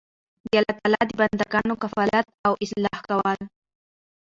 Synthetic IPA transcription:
d̪alat̪alɑd̪əband̪aɡɑnokafalat̪̚awʔɪslɑhkawal

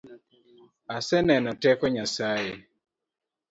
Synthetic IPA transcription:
asɛnɛnɔtɛkɔɲasaee

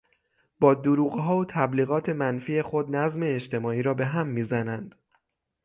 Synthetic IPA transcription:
b̥ɒːd̪uɾuːɣɦɒːot̪ʰæbliːɣɒːt̪ʰe̞mænfiːexo̞d̪̚næzme̞ːʃt̪ʰe̞mɒːiːɾɒːbe̞ɦæmːiːzænænd̪̥

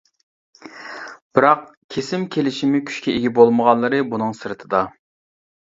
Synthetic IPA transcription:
b̥ɪɾɑq̚ | kʲʰesɪmkʲʰelɪʃimɪkʲʰy̥ʃkʲɛeɡʲɛbolˠməʁɑnlːˠɨɾɨbunɨŋsɨɾɨt̪ʰɨd̪ɑ

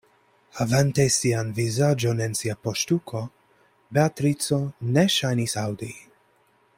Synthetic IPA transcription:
avɛnt̪ɛsianvizad͡ʒonɛnsiapɔʃt̪ukʰɔ | bɛat̪ɾit̪t͡sɔnɛʃajnisawd̪i

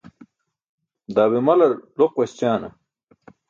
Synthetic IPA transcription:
d̪aːβimɐlɐɾloqwɐst͡ɕaːnɐ̰

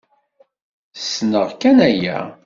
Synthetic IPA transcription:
snəʁkænæjæ̰

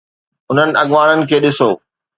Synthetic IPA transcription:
ʊn̤ənɪ̆ɐɠʋaːɽ̃ənɪ̆kʰeːɗɪsoː

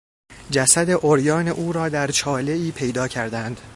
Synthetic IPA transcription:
d͡ʒæsæd̪e̞ʔoɾjɒːneʔuːɾɒːd̪æɾt͡ʃʰɒːle̞iːpʰe̞jd̪ɒːcʰæɾd̪ænd̪̥

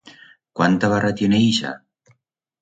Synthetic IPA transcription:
kwant̪aβarat̪joneiʃa̰

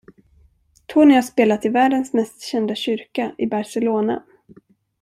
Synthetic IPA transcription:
t̪ʰɔnɪhaʂpeːlat̪ɪvæːɖənsmɛst̪ɕɛnd̪aɕʏɾkaʔɪbaɾʂɛloːna̰

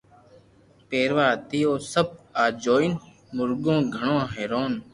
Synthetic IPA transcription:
peːɾʋaːt̪iːoːsəb̚aːd͡ʒoːɪn | mʊɾɡõːɡʱəɳõːɦeːɾoːn

